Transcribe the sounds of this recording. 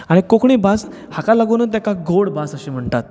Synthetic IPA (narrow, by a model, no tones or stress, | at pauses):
aɽ̃ikokɳiːbas | hakalaɡonət̪̬jakaɡoɽbasəɕem̤əɳt̪at̪̚